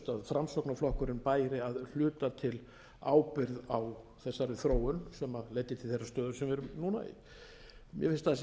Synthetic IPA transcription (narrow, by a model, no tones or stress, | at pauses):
t̪aðfɾamst̪ɔwknaflɔhkʏɾɪnpaːjɾɪaðl̥ʏːt̪at̪ʰɪl | a̰ːwpɪɾðaw | θɛsːaɾɪθɾoːwʏnsɛmaðlejt̪ːɪt̪ʰɪlθejsːast̪œːðʏɾsɛmvɛɾʏnuːna̰ḭ | mjʔɛ̰fɪnst̪aðas